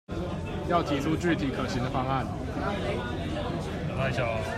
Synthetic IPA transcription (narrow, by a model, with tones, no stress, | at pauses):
jɑ˥˩ʊt̪ʰi˨˥ʈ͡ʂu˥˧ʈ͡ʂy˥˨t̪ʰi˨˩kʰə˨˩ɕi˨˥ŋd̪ə˧fɑ˥ŋa˥˨n | a˥˩ɪɕɑ˨˩˦